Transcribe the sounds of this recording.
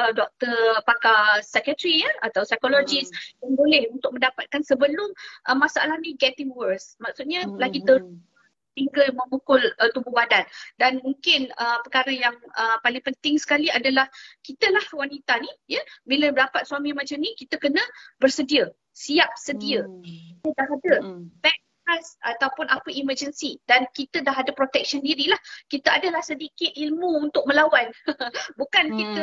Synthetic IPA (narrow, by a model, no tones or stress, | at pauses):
ədɔk̚t̪ərpakasɛkət̪ɾijəat̪awsajkolod͡ʒisjaŋbolɛhunt̪ʊk̚mə̃ndapat̪̚kansəbəlʊmʔəmasaʔalahnĩɡɛt̪ɪŋwərsmak̚sut̪̚ɲalaɡit̪ə | t̪iŋɡəmə̃mukʊlət̪ububadandanmuŋkɪnəpərkaɾəjaŋəpalɪŋpənt̪ɪŋsə̥kaliadalahkit̪əlahwanit̪anijəbiləbədapat̪̚suamĩmat͡ʃəmnĩkit̪əkənə̃bərsədiə | siap̚sədiəkit̪ədaɦadəpɛ | tasat̪awpʊnʔapəʔiməd͡ʒənsidankit̪ədaɦadəpɾot̪ɛk̚ʃəndiɾilahkit̪əadəlahsədikɪt̪̚ilmuunt̪ʊk̚mə̃lawanbukankit̪ə